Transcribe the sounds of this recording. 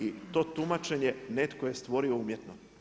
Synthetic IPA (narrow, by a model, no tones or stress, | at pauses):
it̪o̞ːt̪umat͡ʃe̞ɲene̞t̪koje̞st̪ʋo̞ɾio̞umjet̪no